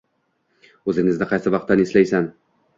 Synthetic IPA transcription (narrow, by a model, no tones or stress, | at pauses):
ɵzɪŋɪznɪqʰɑjsɪvɑq̚t̪ːaneslajsan